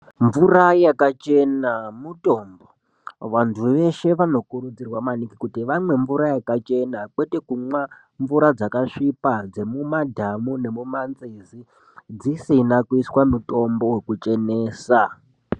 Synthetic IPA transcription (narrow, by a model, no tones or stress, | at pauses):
ɱvurajakat͡ʃe̞namuto̞mbo̞ | ʋantʰuʋe̞ʃe̞ʋano̞kuɾud͡zirwamanikikutiʋamwe̞ɱvuɾajakat͡ʃe̞nakwe̞te̞kumwa | ɱvuɾad͡zakaʂipad͡ze̞mumadʱamune̞mumanzizi | d͡zisinakuiswamuto̞mbo̞we̞kut͡ʃe̞neːsa